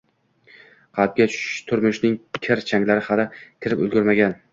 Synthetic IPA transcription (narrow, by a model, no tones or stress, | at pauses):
qʰɑlp̚ɡʲat͡ʃʰʊ̥ʃʃt̪ʰʊɾmʊʃnɪŋkʲʰɪɾt͡ʃʰaŋlaɾɪhalɪkʲʰɪɾɪpɵ̰lˠɡʲʊɾmaɡʲan